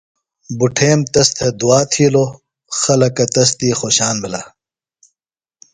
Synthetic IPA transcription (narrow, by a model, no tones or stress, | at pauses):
buʈʰeːmt̪ɐst̪ʰed̪uaːt̪ʰiːloː | xɐlɐkɐt̪ɐs̬t̪iːxoːɕaːnmila